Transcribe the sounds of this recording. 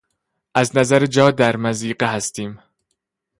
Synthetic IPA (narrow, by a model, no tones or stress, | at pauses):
ʔæznæzæɾed͡ʒɒːd̪æɾmæziːɢeɦæst̪iːm